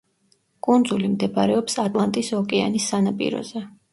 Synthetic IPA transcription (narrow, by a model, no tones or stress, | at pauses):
kʼund̪zulimd̪ɛbaɾɛɔpsat̪ʼlˠant̪ʼisɔkʼɛa̰nisːanapʼḭɾɔ̰zɛ